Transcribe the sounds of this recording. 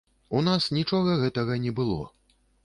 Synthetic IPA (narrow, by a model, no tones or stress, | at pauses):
unasnʲit͡ʂɔɣɐɣɛt̪ɐɣɐnʲɛbɨlˠɔ̰